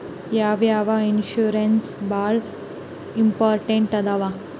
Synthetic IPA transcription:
jaːʋjaːʋainʃuɾensbaːɭ | impaːɾʈeɳʈɐd̪ɐʋa

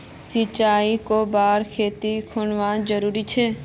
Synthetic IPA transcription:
sit͡ʃaːikobaːɾkʰeːt̪ikʰʊnʋãːd͡ʒəɾuːɾit͡ʃʰeː

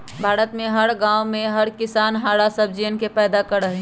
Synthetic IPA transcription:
bʱaːɾət̪mẽɦəɾɡãːwmẽɦɐɾkɪsaːnɦaːɽasəb̚ʱd͡ʒiənkepɛːd̪akəɾəɦe

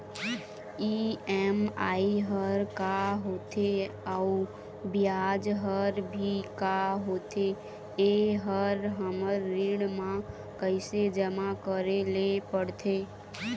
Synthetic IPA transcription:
iɛmaiɦəɾkaɦot̪ʰe | au | bijad͡ʒɦəɾbʱikaɦot̪ʰe | eɦəɾɦəməɾːiɽmã | kəɪsed͡ʒəmakəɾelepəɽt̪ʰe

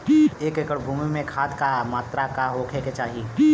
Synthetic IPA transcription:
eːkekəɽbʱuːmimẽkʰaːt̪kamaːt̪ɾakaɦokʰeket͡ʃaːɦi

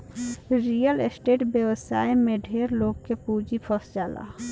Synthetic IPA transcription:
ɾijəlesʈeːʈbjəʋsaːimẽɖʱeːɾloːɡkepuːd͡ʒipʰəsd͡ʒaːla̰ː

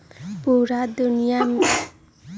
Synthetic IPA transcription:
puɾad̪unijam

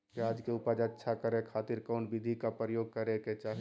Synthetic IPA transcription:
paːd͡ʒkeʊpad͡ʒətːʃʰakəɾekʰaːt̪ɪɾkɔːnbɪd̪ʱikapɾəjoːɡ̚kəɾeket͡ʃaːɦ

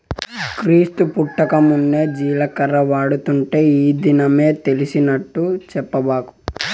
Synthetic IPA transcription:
kɾiːst̪upuʈːɐkɐmunːeːd͡ʒiːlɐkɐɾɐʋaːɽut̪uɳʈe̞ːiːd̪inɐme̞ːt̪e̞lisinɐʈːut͡ʃɛpːɐbaːku̥

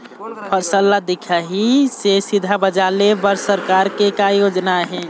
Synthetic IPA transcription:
pʰəɾsəlːad̪ikʰaɦisesid̪ʱabəd͡ʒalebəɾsəɾkaɾkekajod͡ʒnaɦɛ̃

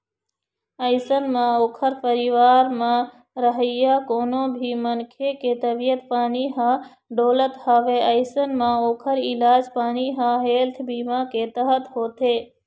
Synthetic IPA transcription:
əɪsənmãoːkʰəɾpəɾiːʋaːɾmã | ɾəɦəjaːkoːnõːbʱiːmənkʰeket̪əbijət̪paːniɦã | ɖoːlət̪haːʋeːəɪsənmãoːkʰəɾɪlaːd͡ʒpaːniɦãɦeːlt̪ʰbiːmãkeːt̪əɦət̪ɦoːt̪ʰeː

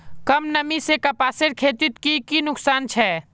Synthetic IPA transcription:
kɐmnəmisekapaːseɾkʰeːt̪ɪt̪kikinʊksaːnt͡ʃʰɛ

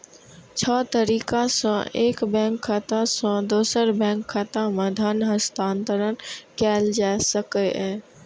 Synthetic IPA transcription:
t͡ɕʰɔːt̪əɾiːkãsã̰eːkbɛ̃ːŋkʰːaːt̪ãsãd̪oːsəɾbɛ̃ːŋkʰːaːt̪ãmɐd̪ʱaːnɦə̃st̪ãːnt̪əɾənkaːɪld͡ʒaːsɐkəɛː

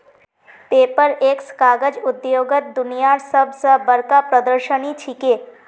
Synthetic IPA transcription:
peːpəɾeːkskaːɡəd͡ʒʊd̪joːɡət̪̚d̪ʊnijaːɾsəbsəbəɾkapɾəd̪əɾʃənit͡ʃʰikeː

